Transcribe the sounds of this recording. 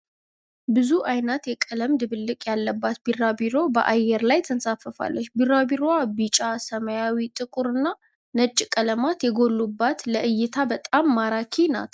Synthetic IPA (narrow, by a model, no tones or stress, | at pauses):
bɨzuʔajnət̪jɛkʼələmd̪ɨβɨlːɨkʼjalːəbːat̪̚birabiɾo̞bə̰ʔajɛɾlajt̪ʰənsafəfa̰lːət͡ʃːbirabiɾoabit͡ʃʼasəməjawit̪ʼɨkʼuɾɨnːa | nət͡ʃʼːkʼələmat̪jɛɡo̞lːubːat̪ləʔɨjːɪt̪ʰabət̪ʼamːaɾakʰina̰t̪ʰ